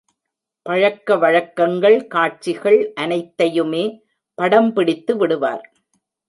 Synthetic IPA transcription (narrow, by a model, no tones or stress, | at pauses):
pɐɻɐkːɐʋɐɻɐkːɐŋɡɐɭkaːʈ̚t͡ʃːɪɣɐɭʔɐnɐɪt̪ːɐjɯmeː | pɐɽɐmpɪɽɪt̪ːɯʋɪɽɯʋa̰ːɾ